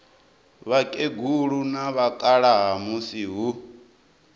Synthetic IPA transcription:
βakʼeɡuɺunaβakʼaɺaɦamusiɦu

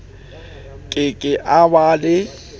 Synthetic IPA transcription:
kʼɪkʼɪʔabalɪ

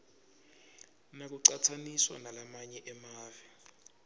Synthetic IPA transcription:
nak̬uǀatʰaniswa̰nalamaɲɛʔɛmaːvi

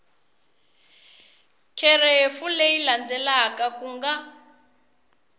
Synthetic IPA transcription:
kʰɛrefuleiland͡zɛlakakuŋɡa

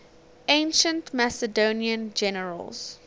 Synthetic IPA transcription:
ʔẽɪ̃nʃə̃ntmæsədoniə̃nd͡ʒɛnəɹə̰lz̥

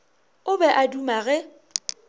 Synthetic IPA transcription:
ʊbɛʔadumaɣɛ

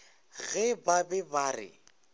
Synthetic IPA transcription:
ɣɛbabɛbaːrɪ̰

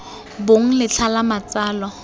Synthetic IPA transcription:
boŋ̩lɪt͡ɬʰalamat͡saːlɔ

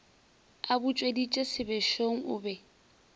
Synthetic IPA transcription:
abʊt͡ʃʼwedit͡ʃʼesɪbɛʃoŋ̩ʊːbɛ

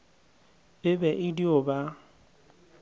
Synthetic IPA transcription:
bɪbɛʔɪdiʊba

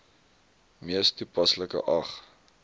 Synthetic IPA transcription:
miəstupɐsləkə̰ʔɐχ

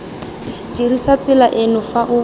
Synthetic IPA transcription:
dirisat͡sɪlaʔɪnʊfaʔʊ

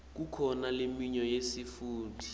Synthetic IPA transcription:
k̬ukʰɔnalemiɲɔjesifuːti̥

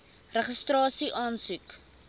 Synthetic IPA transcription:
rəχəstrɑːsiʔɑːnsʉk

